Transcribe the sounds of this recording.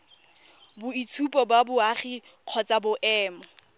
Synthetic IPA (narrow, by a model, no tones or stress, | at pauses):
bʊitʰupʼɔbabʊaχi | q͡χʰɔt͡sʼabʊʔɛːmɔ